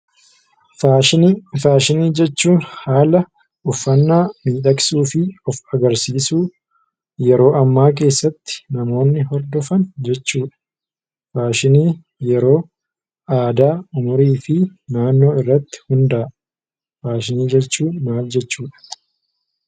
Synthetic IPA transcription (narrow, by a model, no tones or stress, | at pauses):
faːʃɪnifaːʃɪniːd͡ʒɛt͡ʃːuːnhaːlɐ | ʔʊfːɐnːaːmiːᶑɐkʼsuːfɪɔfɐɡɐɾsiːsuː | jɛɾo̞ːʔɐmːaːk̬e̞ːsːɐt̪ːɪ̥nɐmo̞ːnːɪɦɔɾd̪ɔfɐnd͡ʒɛt͡ʃːuːᶑɐ̥ | faːʃɪniː | jɛɾo̞ː | aːd̪aːʊmʊɾiːfɪnaːnːo̞ːɪrːɐt̪ːɪ̥hʊnd̪ɐʔ | faːʃɪniːd͡ʒɛt͡ʃːuːnmaːld͡ʒɛt͡ʃːuːᶑɐ̥